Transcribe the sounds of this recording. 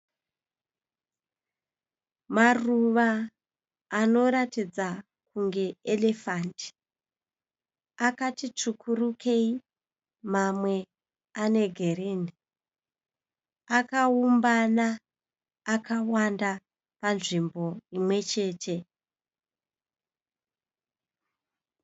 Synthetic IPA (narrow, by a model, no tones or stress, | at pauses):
maruʋaː | no̞ɾatid͡za | kuŋɡe̞ele̞fanti̥ | akatit͡ʂukʰurukʰe̞i | mamwe̞ | ane̞ɡʱereni | akaumbanaː | kʰawanda | panʐimbo̞imwe̞t͡ʃe̞ːtʰe̞